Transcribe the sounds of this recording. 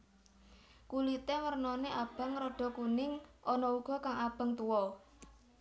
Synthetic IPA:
kulit̪emərnɔneʔab̥a̤ŋɾɔɖ̥ɔ̤kunɪŋʔɔnɔuɡ̥ɔ̤kaŋab̥a̤ŋt̪uwɔ

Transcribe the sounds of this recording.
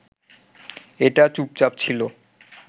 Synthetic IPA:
eʈat͡ɕup̚t͡ɕap̚t͡ɕʰilo

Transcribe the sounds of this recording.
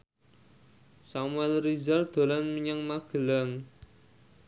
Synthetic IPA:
samuɛlrizard̪̥o̤lanməɲaŋmaɡ̥ə̤laŋ

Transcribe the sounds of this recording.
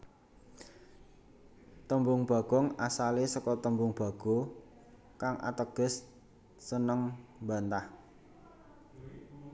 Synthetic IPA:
t̪əmbʊŋb̥a̤ɡ̥ɔŋasalesɔkɔt̪əmbʊŋb̥a̤ɡ̥o̤ | kaŋʔa̰t̪əɡ̥ə̤sː | ənəŋbant̪ah

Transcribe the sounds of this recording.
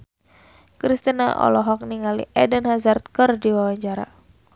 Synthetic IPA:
kɾist̪ina̰ʔɔ̰lɔɦɔk̚niŋalḭʔɛdənhazart̪̚kɨrdiwawaɲt͡ʃaɾa̰

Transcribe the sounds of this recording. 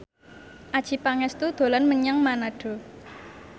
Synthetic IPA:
ʔad̥ʒ̥i̤paŋɛst̪ud̪̥o̤lanməɲaŋmanaɖ̥o̤

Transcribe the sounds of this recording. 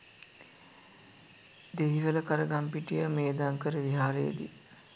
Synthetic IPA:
d̪eɦiʋələkaɾəɡampiʈijəmeːd̪aŋkəɾəʋiɦaːɾejə̰d̪ḭ

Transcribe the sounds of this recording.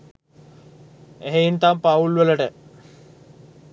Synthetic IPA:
eɦeint̪ampaulʋeləʈə

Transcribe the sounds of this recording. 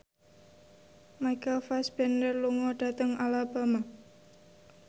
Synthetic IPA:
majkafasbɛndərluŋɔɖ̥a̤t̪əŋalabama

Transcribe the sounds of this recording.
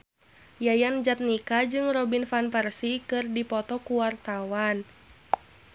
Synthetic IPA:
jajand͡ʒat̪̚nikad͡ʒɨŋrɔbinfanpɛrsikɨrdipɔt̪ɔkuwart̪awan

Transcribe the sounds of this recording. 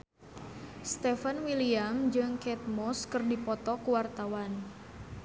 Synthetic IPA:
st̪ɛfanwiliamd͡ʒɨŋkɛt̪̚mɔskɨrdipɔt̪ɔkuwart̪awan

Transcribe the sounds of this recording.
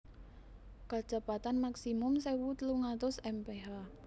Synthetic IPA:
kad̥ʒ̥a̤pat̪anmaksimʊmsewut̪luŋat̪ʊsɛmpeɦa

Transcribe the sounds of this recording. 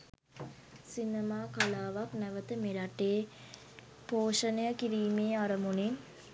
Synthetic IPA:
sinəmaːkalaːʋaknæʋət̪əmeɾaʈeː | poːʂənejəkiɾiːmeːaɾəmunin

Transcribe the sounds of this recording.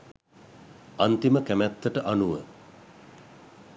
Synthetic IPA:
ant̪iməkæmæt̪ːəʈəʔanuʋə

